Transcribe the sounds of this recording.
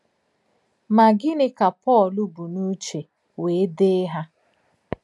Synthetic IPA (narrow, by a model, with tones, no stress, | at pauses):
ma˨ɡɪ˦nɪ˦ka˨pɔ˦˨lu˦bu˨nu˦t͡ʃe˨ | we˨˦de˦ɦa˦